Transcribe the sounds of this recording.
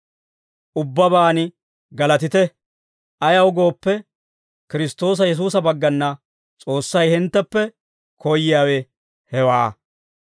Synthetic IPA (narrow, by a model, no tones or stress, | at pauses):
ʔʊbːɐbaːnɪ | ɡɐlɐt̪ɪt̪ɛ | ʔɐjɐwɡo̞ːpːɛ | kɪɾɪst̪o̞ːs̬ɐjɛs̬uːs̬ɐbɐɡːɐnːɐ | t͡sʼo̞ːsːɐjhɪnt̪ːɛpːɛ | kʰɔjɪjaːwɛ | hɛwaː